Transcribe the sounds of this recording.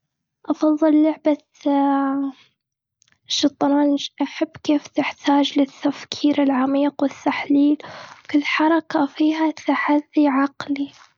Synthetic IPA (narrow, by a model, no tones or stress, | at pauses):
ʔɑfɑðˤːɨlːʊʕba | ʃɑt̪ˤːɑnɑːnd͡ʒʔaħabːkeːft̪ɪħt̪ʰaːd͡ʒlɪt̪ːafkʰiːɾɪlʕamiːqwɪt̪ːaħliːlwkɪlːħɑɾˤɑkafiːɦat̪ʰaħaðːiʕɑqli